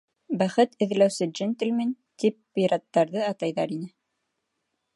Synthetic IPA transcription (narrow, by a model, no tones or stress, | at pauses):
bæχɘt̪ɘ̆ð̆læwsɘd͡ʒɘnt̪ɘ̆lmin | t̪ipːiɾɑt̪ːɑɾðɤɑt̪ɑjðɑɾinɘ